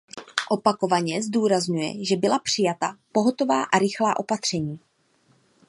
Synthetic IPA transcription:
ʔo̞pako̞vaɲɛzduːɾazɲujɛ̰ʒɛbɪlapr̝̥ɪjat̪apo̞ɦo̞t̪o̞vaːʔaɾɪxlaːʔo̞pat̪r̝̥ɛɲiː

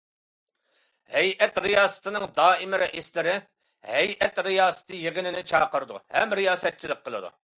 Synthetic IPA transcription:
hɛjɛt̪ɾijɑːsɨ̥t̪ʰɨnɨŋd̪ɑːɪmɪɾɛʔeslɪɾɪ | hɛjʔɛt̪ɾijɑːsɨ̥t̪ʰɨjeʁɪnɪnɪt͡ʃʰɑ̰ːqəɾɨd̪ṵhɛmɾijɑːsɛt̪̚t͡ʃʰilˠɪq̚qʰːəlˠɨd̪ṵ

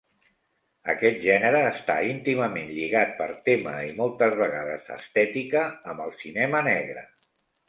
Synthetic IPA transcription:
ə̰kɛt̪̚ʒɛnəɾəːst̪a̰int̪iməmenʎiɣat̪̚pəɾt̪emə̰imɔlˠt̪əzβəɣaðə̰zə̰st̪ɛt̪ikəːmbəlˠsinɛmənɛɣɾə̰

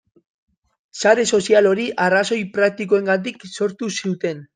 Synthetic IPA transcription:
saɾe̞so̞sialo̞ɾiʔaraso̞jpɾak̚t̪iko̞e̞ŋɡat̪̬ikso̞ɾt̪usiut̪e̞n

